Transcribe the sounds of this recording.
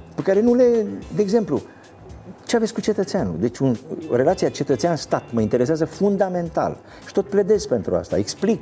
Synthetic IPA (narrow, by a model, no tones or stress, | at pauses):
pekaɾe̞nule̞d̪e̞ːɡze̞mplu | t͡ʃeavetsʲkut͡ʃe̞t̪ət̪seanṵd̪e̞t͡ʃʲunre̞lat̪siat͡ʃe̞t̪ət̪seanst̪at̪məint̪e̞ɾes̬eazəfund̪ame̞nt̪a̰l | ʃi̥t̪o̞t̪̚pled̪ezʲpe̞nt̪ɾua̰st̪a̰eksplik